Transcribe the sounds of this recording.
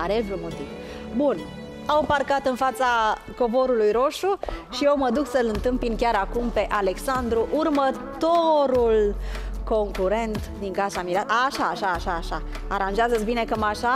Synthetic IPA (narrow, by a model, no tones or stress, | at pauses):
aɾevɾumot̪iv | bun | awparkat̪ɨnfat̪sa | ko̞vo̞ɾulujɾo̞ʃuʃijewməd̪uksəlɨnt̪ɨmpinkʲaɾakumpe̞ʔale̞ksand̪ɾuʔurmət̪oɾulko̞ŋkuɾe̞nt̪d̪iŋkasamiɾaaʃaːʃaːʃaːʃa | aɾanʒeazət̪sʲbine̞kəmaʃa